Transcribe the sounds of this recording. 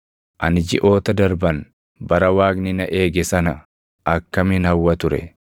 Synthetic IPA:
ʔɐnɪd͡ʒɪʔo̞ːt̪ɐd̪ɐɾbɐn | bɐɾɐwaːknɪnɐʔeːɡɛsɐnɐ | ʔɐkːɐmɪnhɐwːɐt̪ʊɾɛ̰

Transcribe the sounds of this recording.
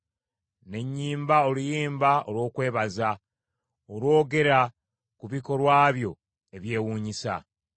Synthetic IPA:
ne̞ɲːiːmbaolujiːmbao̰lwo̞ːkwe̞ːβaza | oɾwo̞ːɡe̞ɾa | kuβiko̞lwaːβjo̞ | e̞βje̞ːwuːɲisa̰

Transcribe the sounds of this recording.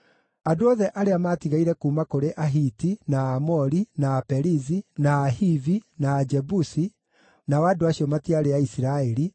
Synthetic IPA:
adoɔðɛʔaɾeamaːtiɣaiɾɛkuːmakoɾeʔaɦitinaːmɔɾinaːpɛɾizinaːɦivinaːd͡ʒɛbusi | nawaːdoaɕiɔmatiaɾeaisiɾaɛɾi

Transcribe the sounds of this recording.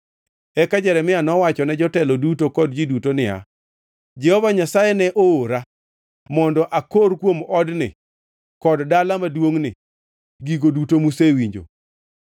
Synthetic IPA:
ɛkad͡ʒɛɾɛmɪanɔwat͡ʃɔnɛd͡ʒɔtɛlɔdutokɔdd͡ʒidutonɪa̰ | d͡ʒɛhɔvaɲasajɛnɛʔooɾa | mɔndɔʔakoɾkwomɔdnɪ̰ | kɔddalamadwoŋnɪ | ɡiɡodutomusewiɲd͡ʒo̰

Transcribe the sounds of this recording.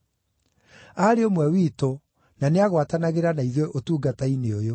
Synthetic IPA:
aɾeomwɛwiːto | naneaɣwatanaɣeɾanaiðweʔotuːɡataineojo

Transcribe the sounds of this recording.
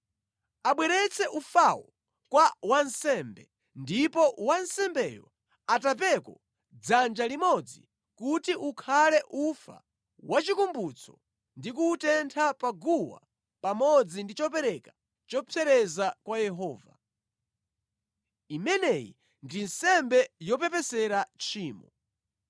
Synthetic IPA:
aɓwɛɾɛt͡sʰɛʔufawɔ | kwawansɛmbɛ | ndipɔwansɛmbɛjɔ̰ | atap̬ɛkɔ | d͡zand͡ʒalimɔd͡zḭ | kutiʔukʰalɛʔufa̰ | wat͡ʃikumbut͡sʰɔ̰ | ndikuːtɛntʰapaɡuwa̰ | pamɔd͡zindit͡ʃɔp̬ɛɾɛkḁ | t͡ʃɔpʰɛɾɛzakwajɛɦɔːva̰ | imɛnɛjḭ | ndinsɛmbɛjɔp̬ɛpɛsɛɾat͡ʃʰiːmɔ

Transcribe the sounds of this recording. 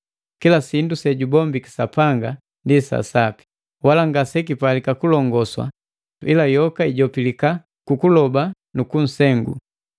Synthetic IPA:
kilasindusɛɟubɔmbiki̥sapaŋɡa | ndisa̰sapi̥ | walaŋɡasɛk̬ipalikakulɔŋɡɔswa̰ | ḭlajɔkaiɟɔpilika | kukulɔba | nukun̩sɛŋɡṵ

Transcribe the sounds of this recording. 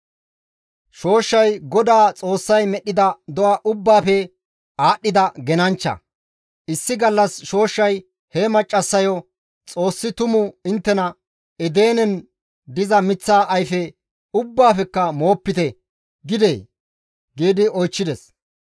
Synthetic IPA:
ʃo̞ːʃːɐjɡɔd̪aːt͡sʼo̞ːsːɐjmɛɗːɪd̪ɐd̪ɔɐʔʊbːaːfɛ | aːɗːɪd̪ɐɡɛnɐnt͡ʃːɐ̰ | ɪsːɪɡɐlːɐsʃo̞ːʃːɐj | hɛmɐt͡ʃʼːɐsːɐjɔ | t͡sʼo̞ːsːɪt̪ʊmʊɪnt̪ːɛnɐ | ɛd̪e̞ːnɛn | d̪ɪzɐmɪt͡sːaːʔɐjfɛ | ʊbːaːfɛkːɐmo̞ːpːɪt̪ɛ | ɡɪd̪eː | ɡiːd̪ɪɔjt͡ʃːɪd̪ɛs

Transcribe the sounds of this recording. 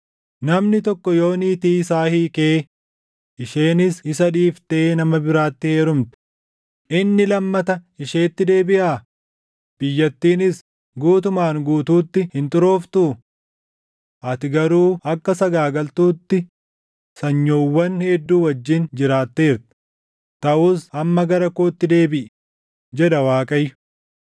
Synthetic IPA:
nɐmnɪt̪ɔkːɔjo̞ːniːt̪iːɪsaːhiːke̞ː | ɪʃe̞ːnɪsɪsɐᶑiːft̪e̞ːnɐmɐbɪɾaːt̪ːɪhe̞ːɾʊmt̪ɪ̥ | ʔɪnːɪlɐmːɐt̪ɐɪʃeːt̪ːɪd̪e̞ːbɪʔaː | b̥ɪjːɐt̪ːiːnɪs | ɡuːt̪ʊmaːŋɡuːt̪uːt̪ːɪhɪnt̪ʼʊɾo̞ːft̪ʊ | ʔɐt̪ɪɡɐɾuːɐkːɐsɐɡaːɡɐlt̪uːt̪ːɪ | sɐɲːo̞ːwːɐnhed̪ːuːwɐd͡ʒːɪnd͡ʒɪɾaːt̪ːeːɾt̪ | t̪ɐʔuːsɐmːɐɡɐɾɐkoːt̪ːɪd̪e̞ːbɪʔ | d͡ʒɛᶑɐwaːkʼɐjːʊ̥

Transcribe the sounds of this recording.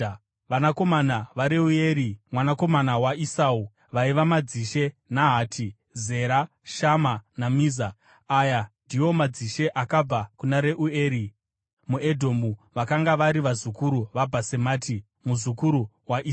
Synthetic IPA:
anako̞manaʋaɾe̞ue̞ːɾimwanako̞manawaisau | ʋaiʋamad͡ziʃe̞naɦaːtʰi | ze̞ɾa | ʃamanamiːza | ajandiwo̞mad͡ziʃe̞ʔakab͡vakunaɾe̞ʔueːɾi | mue̞dʱo̞muʋakaŋɡaʋaɾiʋazukuɾuʋabʱase̞maːtʰi | muzukuɾu | waʔi

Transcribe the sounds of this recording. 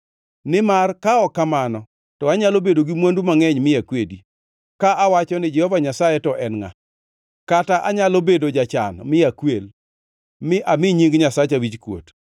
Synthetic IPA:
nɪmarkaɔkamanɔ | tɔaɲalobedoɡimwandumaŋɛɲmɪjakwedi | kaʔawat͡ʃɔnɪd͡ʒɛhɔvaɲasajɛtɔʔɛnŋa̰ | kataʔaɲalobedod͡ʒat͡ʃa̰nmɪakwel | mɪʔamɪɲiŋɡɲasat͡ʃawit͡ʃkwo̰t

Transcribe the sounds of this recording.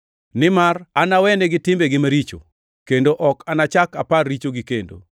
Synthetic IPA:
nɪmaranawɛneɡɪtɪmbeɡɪmaɾit͡ʃo̰ | kendoʔɔkanat͡ʃaka̰parːit͡ʃoɡikendo̰

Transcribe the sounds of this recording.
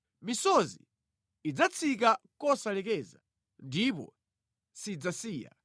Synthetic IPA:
misɔzḭː | d͡zat͡sʰik̬akɔsalɛkɛza̰ | ndipɔ̰ | sid͡zasiːja̰

